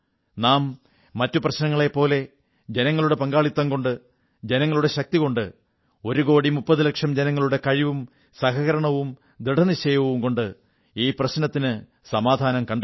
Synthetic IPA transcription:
naːmː | ɐtːuprɐɕnɐŋːɐɭe̞pːo̞ːle̞ | d͡ʑe̞nɐŋːɐɭuɽepɐŋɡaːɭit̪ːaːŋko̞ɳɖɨ | d͡ʑe̞nɐŋːɐɭuɽe̞ɕɐk̚t̪iko̞ɳɖɨ̰ | o̞ɾuko̞ːɽimupːɐðɨlɐkʂɐmd͡ʑenɐŋːɐɭuɽe̞kɐɻiʋum | sɐɦɐɣɐɾɐɳɐʋum | d̪iɽɐniɕejɐʋɐʋumko̞ɳɖɨ | iːprɐɕnɐt̪ːinɨ | sɐmaːd̪ʱaːnɐmkɐɳɖ

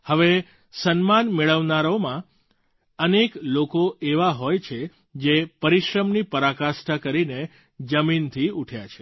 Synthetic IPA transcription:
həʋe | sənmanmeɭəʋnaɾomã | əneklokoeʋaɦojt͡ʃʰe | d͡ʒepəɾiʃɾəmnipəɾakasʈakəɾine | d͡ʒəmint̪ʰiuʈʰjat͡ʃʰe̥

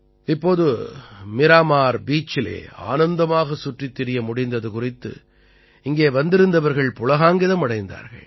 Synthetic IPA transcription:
ɪpːoːðɯmɪɾaːmaːɾbiːt͡ʃːɪlḛːa̰ːnɐnd̪ɐmaːɣɐsʊʈrɪt̪ːɪɾɪjɐmʊɽɪnd̪ɐðɯkʊrɪt̪ːɯ̰ | ɪŋɡeːʋɐnd̪ɪɾɯnd̪ɐʋɐɾɣɐɭpʊlɐɣaːŋɡɪðɐmɐɽɐɪnd̪a̰ːɾɣɐ̰ɭ

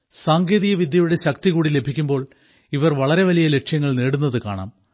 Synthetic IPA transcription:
saːŋɡeːðijɐʋid̪jɐjuɽe̞ɕɐk̚t̪iɣuːɽile̞bʱikʲːumbo̞ːɭ | iʋɐrʋɐɭɐɾe̞ʋɐlijɐle̞ʈʂjɐŋːɐɭneːɽunːɐðɨka̰ːɳa̰ːm

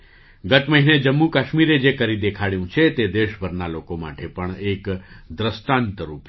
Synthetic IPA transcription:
ɡət̪məɦined͡ʒəmːũkəʃmiɾed͡ʒekəɾid̪ekʰaɭjũt͡ʃʰet̪ed̪eʃbʱəɾnalokoma̰ʈʰepəɳekd̪ɾəst̪ãnt̪əɾup

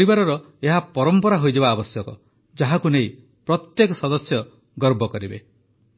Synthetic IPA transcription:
ɾibaɾɔɾɔ | eɦapɔɾɔmpɔɾaɦojd͡ʒeβaːbɔsjɔkɔ | d͡ʒaɦakunej | pɾɔt̪jekɔsɔd̪ɔsjɔ | ɡɔɾbɔkɔɾibḛ

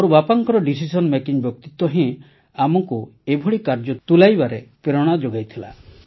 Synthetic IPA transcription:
ɔɾubapaŋkɔɾɔɖis̬isɔnmekiɲbjɔk̚t̪it̪ɔɦẽ | amɔkuebʱuɭikaɾd͡ʒɔt̪ulajbaɾepeɾɔɽ̃ad͡ʒoɡajt̪ʰila̰

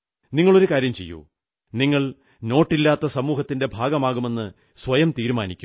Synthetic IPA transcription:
niŋːɐɭo̞ɾukaːɾjɐmt͡ɕe̞̰jːo̰ː | niŋːɐɭ | no̞ːʈːilːaːt̪ːɐsɐmuːɦɐt̪ːinde̞bʱaːɡɐmaːɣume̞nːɨ | sʋɐjɐmt̪iːɾumaːnikʲːum

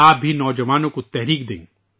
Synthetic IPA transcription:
aːp̚bʱinɔːd͡ʒɐʋaːnõkot̪ɛɦɾiːk̚d̪ḛ̃ːŋɡ

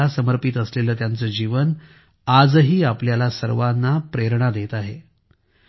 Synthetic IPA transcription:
asəməɾpit̪əsleləːt̪jant͡səːd͡ʑiʋən | ad͡zɦiːapljalasəɾʋanːapɾeɾɳ̃ad̪et̪aɦḛ

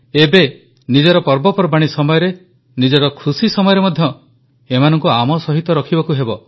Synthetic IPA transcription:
ebe | nid͡ʒɔɾɔpɔɾbɔpɔɾbaɽ̃isɔmɔjɔɾe | nid͡ʒɔɾɔkʰusisɔmɔjɔɾemɔd̪ʱjɔ | emanɔŋkuamɔsɔɦit̪ɔɾɔkʰibɔkuɦebɔ

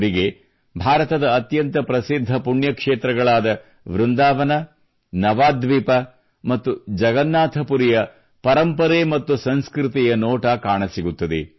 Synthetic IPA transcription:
ɾiɡe̞ | bʱaːɾɐt̪ɐd̪ɐːt̪jɐnt̪ɐpɾɐsid̪ʱːɐpuɳjɐkʂeːt̪ɾɐɡɐɭaːd̪ɐ | ʋɾund̪aːʋɐnɐ | nɐʋaːd̪ʋiːpɐ | mɐt̪ːud͡ʒɐɡɐnːaːt̪ʰɐpuɾijɐ | pɐɾɐmpɐɾeːmɐt̪ːusɐnskɾɪt̪ijɐnɔːʈɐkaːɳɐsiɡut̪ːɐd̪ḛ

